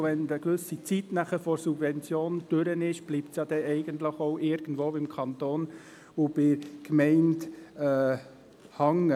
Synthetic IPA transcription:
ʋɛnd̪əkʋʏsit͡sit̪næχəfɔɾsubvɛnt͡sjoːnd̥øɾənɪʃb̥liːptsjɑd̪ɛʔɛɪɡənt̪ləχoʊʔɪɾɡ̥ənd̪ʋoːɪmkʰɑnt̪oːn | ʋob̥ɪkmɛɪntɛː | hɑŋə

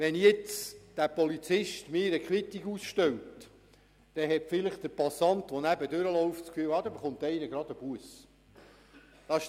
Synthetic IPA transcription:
ʋɛnjɪt͡sd̥æpɔlit͡sɪʃtmɪːɾəkʰɾit̪ːikusʃtœwt | d̥ɛɦɛtfɪləχd̥̪əɾpɑsɑnt̪ʋɔnæbədøɾəlɔʊft͡skfyːwɑːd̥̪ɛbeχʊnt̪ɛinəɡ̥ɾɑd̪əb̥uəs | d̥ɑʃ

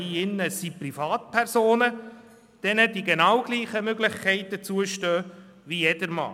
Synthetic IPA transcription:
iɪnːəsiprifɑːtpʰɛrzoːnə | d̥ɛnədiɡenɑwɡ̥liːχəmøɡlɪχkʰɛɪtət͡suəʃtøː | ʋijɛd̥əɾmɑ̰ː

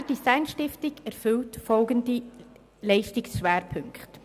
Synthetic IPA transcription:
əd̥isaɪnʃtɪftɪɡɛɾfʏltfɔlɡəndi | lɛɪʃtɪksʃvʋɛːɾpʰʏŋkχt

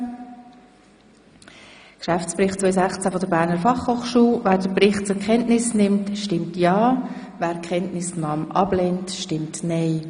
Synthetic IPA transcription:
kʃæftt͡sprɪχtt͡sʋɔʏsæχt͡sæfɔdəɾbæːɾnəɾfɑχhoːχʃuːlvæːɾd̥əbrɪχt̚t͡sʊkʰχɛntnɪsnɪmtʃtɪmtjɑː | væːɾkχɛntnɪsnɑːmʔɑ̰bleːntʃtɪmtnɛɪ

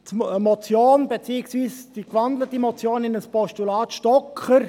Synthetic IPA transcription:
tmɔt͡sjoːnbet͡siːɪksviːsd̥ikvɑndlətimɔt͡sjoːnɪnəspɔʃtulɑːt̪ʃtɔkχəɾ

